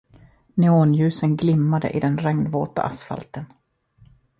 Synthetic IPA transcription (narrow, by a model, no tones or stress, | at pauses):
nɛoːnjʉ̟ːsənɡlɪmːad̪ə̰ʔɪd̪ɛnɾɛŋnvoːt̪a̰ʔasfa̰lt̪ən